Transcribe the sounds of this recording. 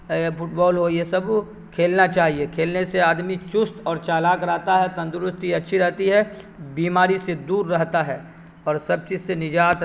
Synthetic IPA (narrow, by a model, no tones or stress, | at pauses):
fʰʊʈbɔːlɦoːiesɐb | kʰeːlnat͡ʃaːɦiekʰeːlneseaːd̪mit͡ʃʊst̪ɔːɾt͡ʃaːlaːkɾɛɦt̪aɦɛt̪ɐ̃nd̪ʊɾʊst̪iɐtːʃʰiɾɛɦt̪iɦɛ | biːmaːɾised̪uːɾːɛɦt̪aɦɛ | ɔːɾsɐb̚t͡ʃiːzsenɪd͡ʒaːt̪